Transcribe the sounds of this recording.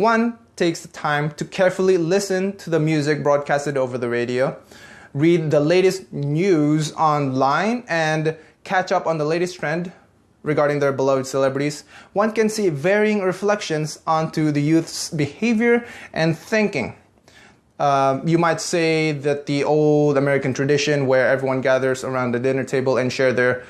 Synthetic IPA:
wʌ̃ntʰeɪksðətʰãɪ̃mtʰɨkʰɛɹfl̩ˠilɪsɨ̃ntʰɨðəmjʉzɪk̚bɹɔd̚kʰæstɨɾoʊvə˞ðɨɹeɪɾioʊɹid̪̚ðəleɪɾɨstnjʉzɑ̃nlãɪ̃nɨ̃n | kʰæt͡ʃʌpn̩ðəleɪɾɨstʰɹ̥ɛ̃nd | ɹɨɡɑɹɾɪ̃ŋðə˞bəlod̥sɛlɛbɹɨɾiz̥wʌ̃nkɨ̃nsivɛɹiɪ̃ŋɹɨflɛkʃɨ̃nzɑ̃ntʰuðɨjʉθsbɨheɪvjə˞ʔɨ̃nθɪ̃ŋkɪ̰̃ŋ | jɨmaɪtseɪðæt̪̚ðiʔoʊlˠdəmɛɹɨkɨ̃ntʰɹ̥ɨdɪʃɨ̃nwə˞ɛvɹiwʌ̃nɡæðə˞zə˞ãʊ̃nd̪ðɨdɪ̃nə˞tʰeɪbəlˠɨ̃nʃɛɹðə˞

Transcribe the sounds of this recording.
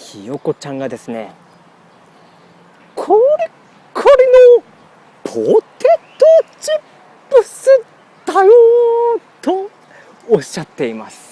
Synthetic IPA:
çijo̞ko̞t͡ɕãŋɡad̪e̞sɨne̞̰ | kʰoɾe | kʰoɾino | pʰot̪et̪ːot͡ɕi | pːɯ̟sɨ | d̪̥ajot̪oː | ɕːat̪ːe̞imasɨ̥

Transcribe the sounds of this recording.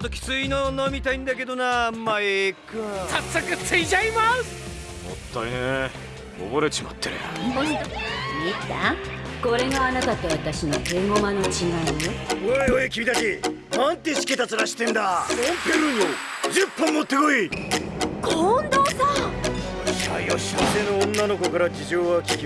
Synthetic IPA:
t̪ːokʲi̥t͡sɨinonomʲit̪aĩnd̪ake̞d̪o̞namːaekɯsasakɯsɨid͡ʑaimas | mo̰t̪ːaine | ɡo̰boɾet͡ɕimo̰t̪ːeḛomʲit̪akoɾe̞ɡaanakat̪ːaβat̪aɕinot̪eŋomano̞t͡ɕiɡamioeoekʲibʲid̪aɕi | nãnt̪e̞ɕi̥kʲe̞t̪at͡sɨɾaɕi̥t̪ẽ̞nd̪aõmpeɾɯɲ̟iod͡ʑɨpːõmːot̪ːe̞koi | kond̪oːsa | ɕa̰joɕat̪enõːnːano̞ko̞kaɾad͡ʑiʑo̞ːβakʲikʲi

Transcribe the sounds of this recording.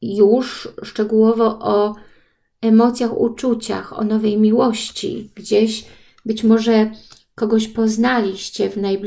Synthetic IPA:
juʂʂt͡ʂɛɡuwɔvɔʔɔ | ɛmɔt̪sʲjaxṵt͡ʂut͡ɕa̰xɔ̰nɔvɛjmʲiwɔɕt͡ɕḭɡ̥d͡ʑeɕ | bɘt͡ɕmɔʐɛ | kɔɡɔɕpɔznalʲiɕt͡ɕɛvnajbʲ

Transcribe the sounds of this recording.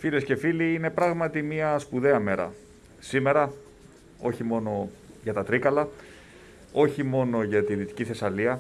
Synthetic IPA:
file̞sce̞filiine̞pɾɐɣmɐt̪imiɐspuðe̞ɐme̞ɾɐ̰ | sime̞ɾɐ | o̞çimo̞no̞ʝɐt̪ɐt̪ɾikɐlɐ | o̞çimo̞no̞ʝɐt̪iðit̪i̥ciθe̞sɐliɐ

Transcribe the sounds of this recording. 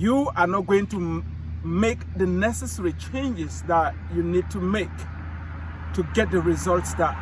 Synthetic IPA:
juanɔt̚ɡoɪ̃ŋtu | mekðənɛsɛsɛɹit͡ʃʰẽɪ̃nd͡ʒɪsðat | junid̚tʰumek | tʰuɡɛt̚dəɹizɔltsðat̚

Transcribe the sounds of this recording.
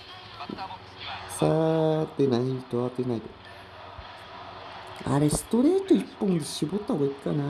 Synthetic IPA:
sat̪ːenaɲ̟iit̪oat̪ːenait̪o | a̰ɾesɨ̥t̪o̞ɾe̞ːt̪oipːõ̞nd̪eɕibo̞t̪ːahoaikkːana

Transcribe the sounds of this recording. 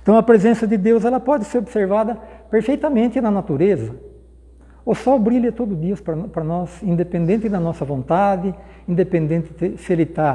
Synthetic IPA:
ẽt̪ɐ̃w̃ɐpɾezẽsɐd̪ɪd̪ewzɛlɐpɔd̪ɪseɾobseɾvad̪ɐpeɾfejt̪ɐmẽnt̪ɪnɐnat̪uɾezɐ | osɔbɾilɐt̪od̪ʊd̪iɐspɾɐpɾɐnɔsĩnd̪epẽnd̪ẽnt̪ɪd̪ɐnɔsɐvõnt̪ad̪ɪ | ĩnd̪epẽnd̪ẽnt̪ɪt̪ɪselit̪a

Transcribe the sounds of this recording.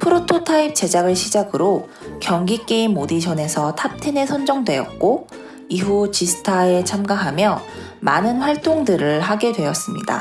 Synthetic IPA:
pʰɯɾotʰotʰaip̚t͡ɕ͈e̞d͡ʑaɡɯɭɕʰid͡ʑaɡɯɾo | kjʌŋɡik͈eimːodid͡ʑʰʌne̞sʰʌtʰap̚tʰene̞sʰʌnd͡ʑʌŋdwe̞ʌ̰t̚k͈o | iɦut͡ɕisʰɯ̥tʰae̞t͡ɕʰamɡaɦamjʌ | manɯnɸwaɭt͈oŋdɯɾɯɭɦaɡe̞dwe̞ʌs͈ɯmɲida̰

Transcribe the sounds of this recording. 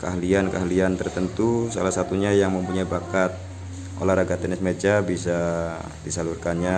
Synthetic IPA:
kəaɦliankə̰aliant̪ərt̪ənt̪usalasat̪uɲajaŋməmpuɲaibakat̪̚ | ʔo̰lahɾaɡat̪ɛnɪsmed͡ʒabisa | disalurkanɲa

